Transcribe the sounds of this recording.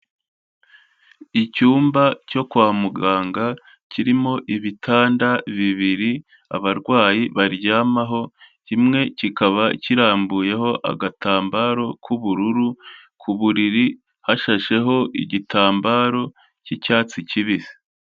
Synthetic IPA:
icuːmbaco̞kwaːmuɡaːŋɡa | ciɾimo̞ʔiβitʰaːndaβiβiɾi | a̰βaɾɡwaːjiβaɾɟaːmaɦo̞cimŋe̞cikaβaciɾaːmbuje̞ɦo̞ʔa̰ɡataːmbaːɾo̞kʰuβuɾuɾu | kʰuβuɾiɾi | haʃaʃe̞ɦo̞ʔḭɟitʰaːmbaːɾo̞ | cicaːt͡siciβizi̥

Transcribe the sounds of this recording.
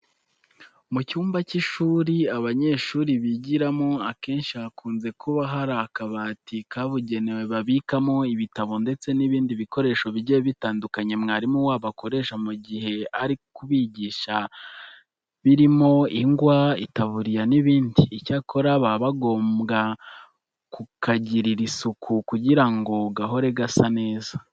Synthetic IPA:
mucuːmbaciʃuːɾiaβaɲe̞ːʃuːɾiβiɟiɾamoake̞ːnʃiakuːnze̞kʰuβaɦaɾakaβaːtikaβuɟe̞newe̞βaβikamo̞iβitaβo̞nde̞t͡se̞niβiːndiβiko̞ɾe̞ːʃoβiɟeβitaːndukaɲe̞mŋaːɾimuwaːβako̞ɾe̞ːʃamuɟiɦe̞aɾikuβiɟiːʃa | βiɾimo̞iŋɡwaḭtaβuɾijaniβiːndiːcakʰo̞ɾaβaβaɡo̞ːmɡa | kukʰaɟiɾiɾisukʰukuɟiɾaŋɡo̞ɡaɦo̞ɾe̞ɡasane̞ːza

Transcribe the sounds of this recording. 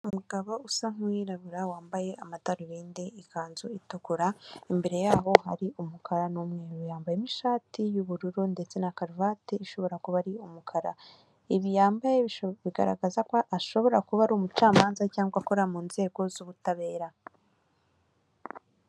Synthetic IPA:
ummuɡaβousaŋujiɾaβuɾawaːmbaje̞ʔamataɾuɾiːndeikaːnzuituɡuɾaimbe̞ɾe̞jaːho̞ha̰ɾiʔumukʰaɾanumŋeijaːmbajemiʃaːtijuβuɾuɾunde̞t͡se̞nakaɾvateiʃo̞βo̞ɾakuβaɾiumukʰaɾa̰ | iβijaːmbajeβiɡa̰ɾa̰ɡazakaʔaʃo̞βo̞ɾakuβaɾuːmut͡ʃaːmaːnzacaːŋɡwakoɾamuːnze̞ːɡo̞zuβutaβe̞ːɾa

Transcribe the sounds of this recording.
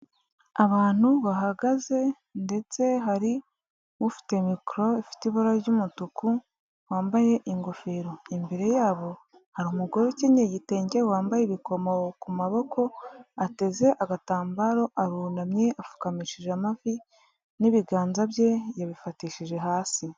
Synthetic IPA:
aβaːn̥huβaɦaɡaze̞ | nde̞t͡se̞ɦaɾi | wufi̥te̞mikɾo̞ifi̥tiβoɾaɾɟumutuku | waːmbaje̞ʔiŋɡofeːɾo̞imbeɾe̞jaːβo̞ | haɾiumuɡo̞ɾeceɲeɟite̞ːɲɟe̞waːmbajeβiko̞mowkumaβo̞ko̞ate̞ze̞ʔaɡataːmbaɾo̞ʔaɾuːnamɲe̞ʔafu̥kamiʃiʒamavi | niβiɡaːnzaβje̞jaβifatiːʃiʒe̞ɦaːsi

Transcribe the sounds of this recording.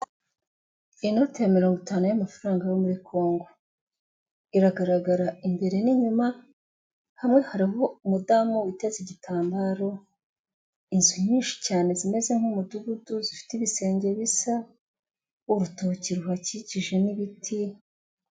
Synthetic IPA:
ino̞tejamiɾo̞ːŋɡutaːnujamafaɾaːŋɡajomuɾikʰo̞ːŋɡo̞ | iɾaɡaɾaɡaɾaimbe̞ɾe̞niɲuma | hamŋe̞haɾiɦo̞umudamuwiteziɟitʰaːmbaɾo̞ | inzuɲiːnʃi̥caːne̞zime̞ze̞ŋ̥humuduɡuduzifi̥tiβise̞ːɲɟe̞βisa | uɾutociɾuɦaciciʒe̞niβitʰi

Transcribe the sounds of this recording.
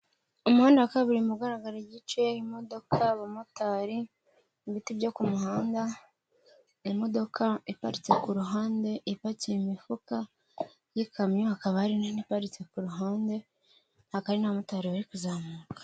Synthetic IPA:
omuhaːndeakaβiɾimuɡaɾaɡaɾiɟit͡ʃe̞imo̞do̞kʰaβamotaːɾi | βitibɟo̞kumuɦaːnda | imo̞do̞kʰaipaɾit͡se̞kuɾuɦaːnde̞ʔipaceimifuka | jikʰamɲohakaβahaɾininipaɾit͡se̞kuɾuɦaːnde̞ | hakaɾinaβamotaɾiβaɾikuzaːmuːkḁ

